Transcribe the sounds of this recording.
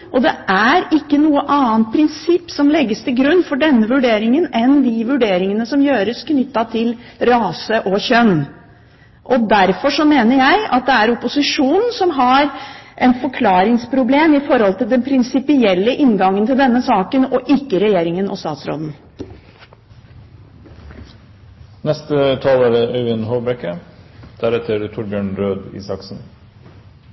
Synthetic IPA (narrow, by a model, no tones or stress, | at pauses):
ʔɔd̪ɛʔæɾɪkːənuːəʔɑːnt̪̚pʰɾɪnsɪpːsɔmlɛɡːəst̪ʰɪlɡɾʉnːfɔɖɛnːəʋʉɖeːɾɪŋənɛnd̪ɪʋʉɖeːɾɪŋənəsɔmjøːɾəskʰnʏt̪ːɑt̪ʰɪlɾɑːsəʔɔçœnː | ʔɔd̪æɾfɔʂɔmeːnəɾjæɪɑ̰t̪̚d̪ɛæɾʊpʊsɪʂuːnn̩sɔmɦɑɾʔɛt̪fɔkʰlɑːɾɪŋspʰɾʊbleːmɪfɔɾhɔlt̪ʰɪld̪ɛnpʰɾɪnsɪpɪɛlːəʔɪnɡɑŋːənt̪ʰɪld̪ɛnːəsɑːkənɔʔɪkːəɾɛjeːɾɪŋənʔɔ̰st̪ɑ̰ːt̪sɾo̰ːd̪n̩ | nɛst̪ət̪ʰɑːlæːɾəœʉɪnhoːbɾɛkːəd̪̥æɾɛt̪ʰəɾt̪ʰʊɾbjøːɳɾøːd̪ḭːsɑksn̩